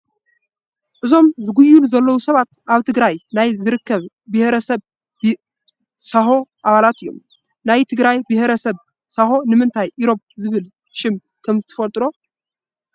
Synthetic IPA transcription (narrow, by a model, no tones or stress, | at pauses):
ʔɨzo̞mzɨɡujːulzɐlːəwusɐβat̪ʔaβt̪ʰɨɡɾajnajzɨɾɨkʰːəβ | bɨheɾəsəβ | saɦo̞ʔaβalat̪ɨjːo̞̰m | najt̪ʰɨɡɾajbɨheɾəsəβ | saɦo̞nɨmɨnt̪ʰajʔɪɾo̞pzɨβɨl | ʃɪm | kʰəmzɨt̪ʰə̥fɐlt̪ʼɾo̞